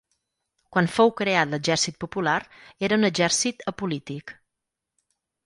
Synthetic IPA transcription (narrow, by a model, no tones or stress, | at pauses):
kwanfowkɾeat̪ləd͡ʒɛɾsit̪̚pupulaɾeɾəunəd͡ʒɛɾsit̪əpulit̪ik